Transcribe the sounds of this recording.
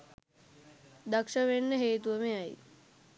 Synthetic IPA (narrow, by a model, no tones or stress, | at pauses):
d̪akʂəʋenːəɦeːt̪uʋəmejaj